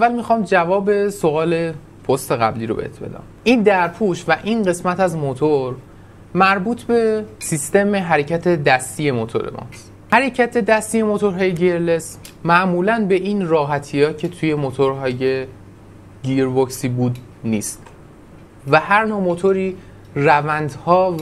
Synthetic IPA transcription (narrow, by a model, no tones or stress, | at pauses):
ʔævːælmixɒːmd͡ʒævɒːbe̞soɒːle̞ | pʰo̞st̪e̞ɣæ̰bliːɾo̞bḛt̪ʰbe̞̰d̪æ̰ːmʔiːnd̪æɾpʰuʃvæʔiːnɢe̞smæt̪æzmot̪ʰoɾ | mæɾbuːt̪ʰbe̞sist̪e̞meɦæɾe̞cʰæt̪ʰe̞d̪æst̪ije̞mot̪ʰo̰ɾḛmʔɒ̰s | hæɾecʰæt̪ʰe̞d̪æst̪ije̞mot̪ʰo̞ɾɦɒːje̞ɟeɾle̞s | mæʔmuːlænbe̞ʔiːnɾɒːɦæt̪ʰijɒːcʰe̞t̪ʰuje̞mot̪ʰoɾɦɒːje̞ | ɡiɾboksiːbuːd̪ | niːst̪ | væhæɾnomot̪ʰo̞ɾiː | rævænd̪hɒː